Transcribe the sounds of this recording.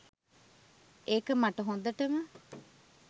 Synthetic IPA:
ekɐmaʈɐɦond̪ɐʈɐmɐ

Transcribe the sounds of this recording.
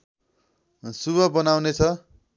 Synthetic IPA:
subʌbʌnawnet͡sʰʌ

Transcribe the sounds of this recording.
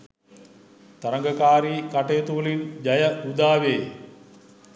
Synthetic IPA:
t̪ɐɾɐŋɡɐkaːɾikɐʈeːt̪uːlind͡ʒɐjɐud̪aːʋeː

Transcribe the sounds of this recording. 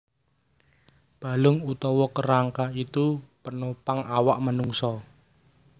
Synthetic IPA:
b̥a̤lʊŋut̪ɔwɔkəɾaŋkait̪upənopaŋawaʔmənuŋsɔ

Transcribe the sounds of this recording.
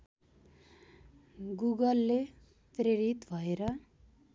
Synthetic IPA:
ɡuɡʌlːe | preɾit̪bʱʌeɾʌ

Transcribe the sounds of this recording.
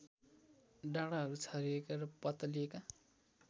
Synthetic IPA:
ɖaɽaɦʌɾut͡sʰʌɾiekarʌpʌt̪ʌlieka

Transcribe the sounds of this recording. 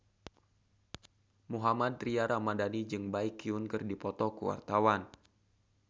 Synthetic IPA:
muɦamad̪̚riaɾamadanid͡ʒɨŋbaikːiunkɨrdipɔt̪ɔkuwa̰rt̪awan

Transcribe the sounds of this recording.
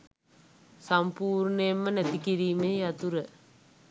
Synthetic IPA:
sampuːrɳəemːənæt̪ikiɾiːmeːjat̪uɾə

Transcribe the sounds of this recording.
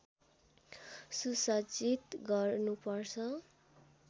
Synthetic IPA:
susʌd͡zit̪ɡʌrnupʌrt͡sʰʌ

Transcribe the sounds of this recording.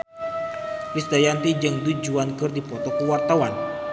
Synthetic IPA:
lisd̪ajant̪id͡ʒɨŋdud͡ʒuankɨrdipɔt̪ɔkuwart̪awan

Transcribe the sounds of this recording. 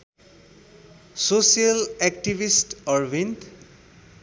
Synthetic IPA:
sosialɛk̚ʈibisʈɔɹwint̪

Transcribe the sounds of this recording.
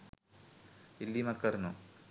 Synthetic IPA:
ilːimɐkːɐɾnu

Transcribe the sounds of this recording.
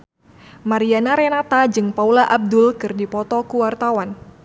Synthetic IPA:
maɾianaɾɛnat̪ad͡ʒɨŋpaulaʔab̚dʊlkɨrdipɔt̪ɔkuwart̪awan

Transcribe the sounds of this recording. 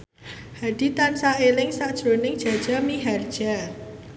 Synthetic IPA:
haɖ̥i̤t̪ansaelɪŋsaʔd̥ʒ̥ɾo̤nɪŋ̥ʒ̥a̤d̥ʒ̥a̤miɦard̥ʒ̥a

